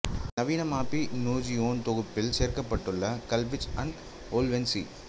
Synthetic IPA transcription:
nɐʋiːnɐmaːpinoːd͡ʒioːnt̪ɔɣɯpːɪlseːɾkɐpːɐʈːɯɭːɐkɐlʋɪt͡ʃɐɳɖ | oːlʋɛnsḭ

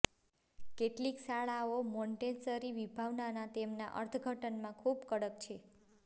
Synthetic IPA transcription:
keʈliksaɭaomoɳʈensəɾiʋibʱaʋnanat̪emna̰ʔə̰ɾt̪ʰəɡʱəʈənmãkʰubkəɽək̚t͡ʃʰe

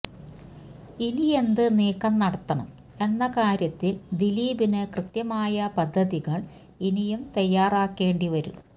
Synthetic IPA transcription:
ilije̞nd̪ɨneːkːɐmnɐɽɐt̪ːɐɳɐm | e̞nːɐkaːɾjɐt̪ːild̪iliːbinɨkrɨt̪jɐmaːjɐpɐd̪ʱːɐðiɣɐɭ | inijumt̪ɐjːaːraːkːe̞ːɳɖiʋɐɾṵ

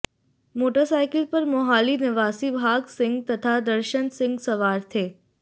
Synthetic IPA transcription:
moːʈəɾsaːɪkɪlpɐɾmoɦaːlinɪʋaːsibʱaːɡsɪ̃ŋɡt̪ɐt̪ʰad̪ɐɾʃənsɪ̃ŋɡsɐʋaːɾt̪ʰeː

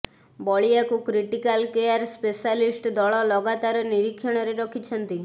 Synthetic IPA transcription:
bɔɭijakukɾiʈikalkejaɾspesalisʈd̪ɔɭɔlɔɡat̪aɾɔniɾikʰːjɔɽ̃ɔɾeɾɔkʰit͡ʃʰɔnt̪i

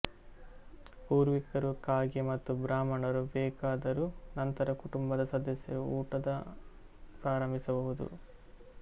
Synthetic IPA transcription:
puːɾʋikɐɾukaːɡimɐt̪ːubɾaːmɐɳɐɾubɛːkaːd̪ɐɾunɐnt̪ɐɾɐkuʈumbɐd̪ɐsɐd̪ɐsjɐɾuuːʈɐd̪ɐ | pɾaːɾɐmbʱisɐbɐɦud̪ṵ

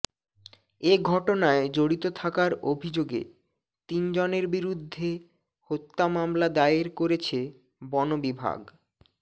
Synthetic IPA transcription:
eɡʱɔʈonaed͡ʑoɽit̪ot̪ʰakaɾobʱid͡ʑoɡḛ | t̪ind͡ʑoneɾbiɾud̪ʱːe | hot̪ːamamlad̪aeɾkoɾet͡ɕʰe | bɔnobibʱa̰ɡ

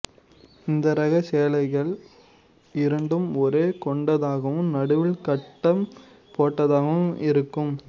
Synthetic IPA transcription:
ɪnd̪ɐɾɐɣɐseːlɐɪɣɐɭ | ɪɾɐɳɖɯmɔɾeːkɔɳɖɐðaːɣɐʋɯ̃mnɐɽɯʋɪlkɐʈːɐm | poːʈːɐðaːɣɐʋɯmɪɾɯkːɯm

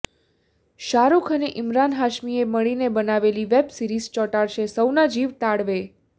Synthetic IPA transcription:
ʃaɾukʰəneʔɪmɾanɦaʃmieməɭinebənaʋeliʋebsiɾizt͡ʃɔʈaɽʃesəwnad͡ʒiʋt̪aɽʋe

